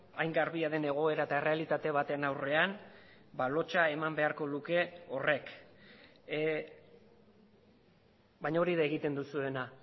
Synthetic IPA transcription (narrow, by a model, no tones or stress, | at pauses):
ajŋɡaɾβiaðe̞ne̞ɣ̞o̞e̞ɾaet̪ae̞re̞alit̪at̪e̞βat̪e̞nawre̞an | balo̞t͡ʃae̞mambe̞aɾko̞luke̞o̞re̞k | baɲao̞ɾiðae̞ɣ̞it̪e̞nd̪usue̞na